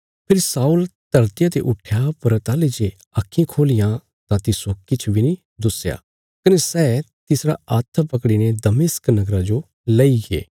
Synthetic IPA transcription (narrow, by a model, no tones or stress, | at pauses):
pʰɪɾsaːult̪ɐɾt̪ɪjat̪eʔʊʈʰjapəɾət̪aːled͡ʒe | akʰːĩkʰoːlijã | t̪ãt̪ɪsokɪt͡ʃʰbʱinĩ | d̪ʊsja̰ː | kɐnesɛːt̪ɪsɾa̰at̪ʰpɐkɽined̪ɐmɪsknɐɡɾad͡ʒo | lɐiɡḛː